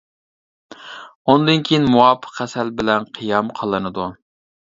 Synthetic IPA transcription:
und̪ɨnkʲʰijinmuwɑːpʰːə̥qːæsɛlbɪlɛnqʰɨjɑmqʰɑlˠːɨnɨd̪u

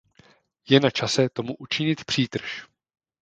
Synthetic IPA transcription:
jɛnat͡ʃasɛt̪o̞muʔut͡ʃɪɲɪt̪pr̝̥iːt̪r̩ʃ

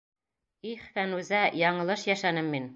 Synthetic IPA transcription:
iχfænʉzæjɒɴɤ̆lˠɤʃjæʃænɘmːin

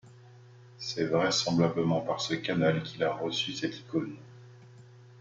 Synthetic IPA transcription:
sɛvʁɛsɑ̃blabləmɑ̃paʁsəkanalkʲʰilaʁəsysɛt̪ʰi̥kon

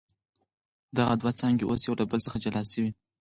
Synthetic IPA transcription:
d̪aɣad̪wat͡sɑŋɡeʔosjawlabəlsəxad͡ʒalɑsəwi

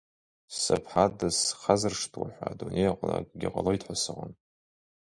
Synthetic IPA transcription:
sapʰħadɨsχazɨrʂtʰwaħʷadunʔejaqʼlakʼɡʲɪqʼaloitʰħʷasɨʁən

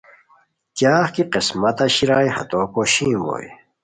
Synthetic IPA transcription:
kjaːχkiqismɐt̪ɐɕiɾaːjhɐ̰t̪opoɕĩːmbo̰j

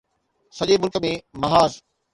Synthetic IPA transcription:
sɐʄemʊlkəmẽmɐɦaːz

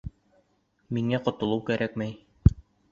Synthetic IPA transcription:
miŋæqŏt̪ŏlˠɤwkæɾʔækmæj

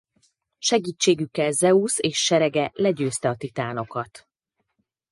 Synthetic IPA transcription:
ʃɛɡiːt͡ʃːeːɡykːɛlzɛuseːʃːɛɾɛɡɛlɛɟøːst̪ɛɒt̪it̪aːno̞kɒt̪

